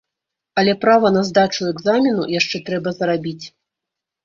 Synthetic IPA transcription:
ɐlʲɛpɾavɐnɐzd̪at͡ʂuɛɡzamʲinujaʂt͡ʂɛt̪ɾɛbɐzɐɾabʲit͡sʲ

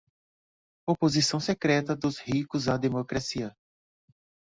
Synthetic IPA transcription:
opozisɐ̃w̃sekɾɛt̪ɐd̪ʊzhikʊzad̪emokɾasiɐ

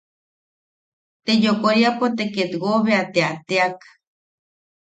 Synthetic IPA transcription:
t̪ejokoɾiapot̪eket̪ɡoβeat̪eat̪eak

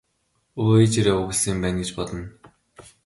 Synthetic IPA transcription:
uit͡ɕeɾeːuɣɘ̆ɮsiːmpæːnɡet͡ɕpɔɮɞ̆n

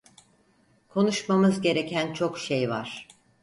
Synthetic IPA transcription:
kʰo̞nuʃmamɯzɟe̞ɾe̞cʰænt͡ʃʰo̞kʃejva̰ɾ̥

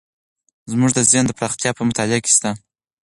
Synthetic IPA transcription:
zmuʐd̪əzjɑnd̪əpɾɑxt̪jɑpəmʊt̪ɑlɪake̥st̪a

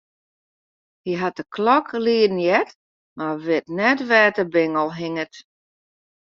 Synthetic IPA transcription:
hiɦat̚dəkʰlɔkliədn̩jɛt | maʋɪtnɛtʋɛːtəbɪŋəlˠɦiŋət

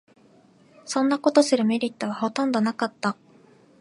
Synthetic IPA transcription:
sõ̞nːako̞t̪o̞sɨɾɯ̟me̞ɾʲit̪ːo̞β̞aho̞t̪õ̞nd̪o̞nakat̪ːa

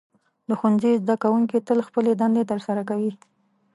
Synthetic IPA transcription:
d̪əxunzizd̪akawuŋkit̪əlxpəled̪and̪et̪əɾsaɾakawi

